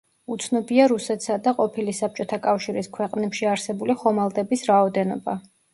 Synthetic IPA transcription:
ut̪sʰnɔbiaɾusɛt̪ʰsad̪aqʼɔpʰilisap̚t͡ʃʼɔt̪ʰakʼafʃiɾiskʰwɛqʼnɛpʃiaɾsɛbuliχɔmalˠd̪ʼɛbisɾaɔd̪ɛnɔ̰ba

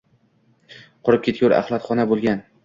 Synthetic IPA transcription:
qʰʊɾɪp̚kʲʰe̞t̪̚ʲʊɾa̰χlˠat̪χɒnabolˠɡʲan

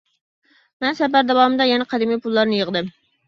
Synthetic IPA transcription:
mɛnsɛbæɾd̪ɛwɑːmɨd̪ɛjɛnɛqʰɑd̪imijpʰulˠːɑɾnɨjəʁd̪ɨm

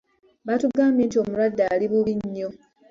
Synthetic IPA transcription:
βatuɡaːmbjeːntio̞ːmuɾwadːaliβuβiɲːo̞

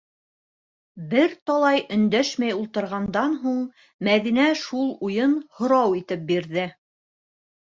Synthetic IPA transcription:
bɘɾt̪ɑlˠɑjɵ̆nd̪æʃmæjulˠt̪ɤ̆ɾʁɑnd̪ɑnɦuɴ | mæðinæʃulˠujɤnhŏɾɑwit̪ɘp̚biɾðɘ

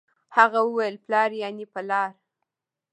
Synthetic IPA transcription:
haɣawəwajəlplɑɾjɑnipəlɑɾ

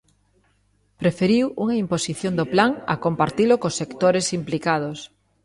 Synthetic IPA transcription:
pɾefeɾiwuŋɐimposiθjond̪oplaŋɐ̰kompaɾt̪ilokosːekt̪oɾesimplikað̞os

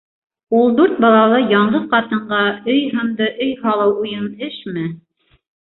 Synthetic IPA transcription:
ulˠd̪uɾt̪̚bɑlˠɑlˠɤjɑɴɢɤðqɑt̪ɤ̆ɴɢɑɵjɦɤ̆md̪ɤʔɵjhɑlˠɤwujɤnɘʃmɘ

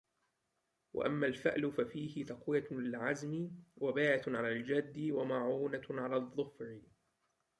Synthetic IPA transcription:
wa̰ʔamːaːlfɪ̰ʔlʊfafiːhɪt̪ɑqwɪjalɪɪlʕazmɪwabaːʕat̪ʕalaːld͡ʒad̪ːɪwamaʕuːnaʕalaːðˤːʊfɾɪ

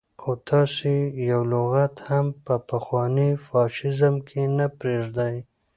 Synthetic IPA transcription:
xot̪ʰɑsijawlʊɣat̪hampəpaxwɑnifɑʃɪzamkʰenapɾeʐd̪aj

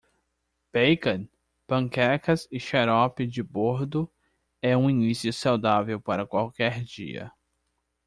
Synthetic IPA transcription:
b̥ejkɐ̃n | pɐ̃ŋkɛkɐzɪʃeɾɔpɪd͡ʒɪboɾd̪ʊ | ɛũinisiʊsawd̪avewpaɾɐkwawkɛɾd͡ʒḭɐ̰

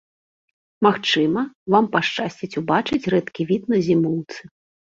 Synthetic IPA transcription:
maxt͡ʂɨmɐvampaʂt͡ʂasʲt͡sʲit͡sʲubat͡ʂɨt͡sʲɾɛt̪kʲivʲit̪̚nɐzʲimuwt̪sɨ

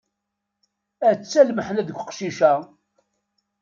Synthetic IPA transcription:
æt͡sːælməħnæðəkʷːqʃiʃæ

